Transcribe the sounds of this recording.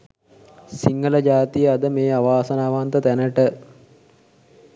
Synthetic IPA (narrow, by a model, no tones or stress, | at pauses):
siŋɡələd͡ʒaːt̪ijəad̪əmeːaʋaːsɐnaːʋant̪ət̪ænəʈə